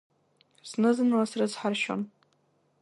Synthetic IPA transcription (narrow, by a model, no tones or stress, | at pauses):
snɨzɨnlasrɨzħarʃo̰n